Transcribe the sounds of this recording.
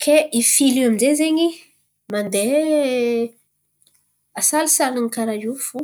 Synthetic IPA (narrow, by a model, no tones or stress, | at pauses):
kʰeifiliamizezeɲi | mand̪e | asalisalaŋikaɾajufu